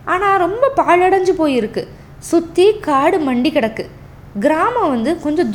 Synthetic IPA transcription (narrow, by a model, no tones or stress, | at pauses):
aːnãːɾɔmbɐpaːɭɐɽɐɲd͡ʒɯpoːjɪɾɯkːɯ | sʊt̪ːikaːɽɯmɐɳɖikɪɽɐkːɯ | ɡɪɾaːmɐ̃ʋɐnd̪ɯkɔɲd͡ʒɔ̃d̪